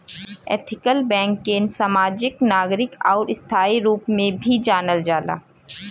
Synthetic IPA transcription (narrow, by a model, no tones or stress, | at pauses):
ḛːt̪ʰɪkəlbɛ̃ːŋkːensamaːd͡ʒɪknaːɡɾɪkɔːɾɪst̪ʰaːiɾuːpmẽbʱid͡ʒaːnəld͡ʒaːla̰ː